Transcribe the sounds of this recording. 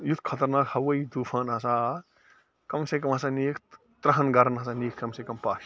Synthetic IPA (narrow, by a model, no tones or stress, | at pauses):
jut̪ʰkʰɐt̪ɐɾnaːkhɐwɐjd̪uːfʰaːnɦɐsaː | kɐmsekɐmɦɐsaːniːkʰ | t̪ɾɐɦɐnɡɐɾɐnɦɐsaːniːk̚ʰkɐmsekɐmpaːs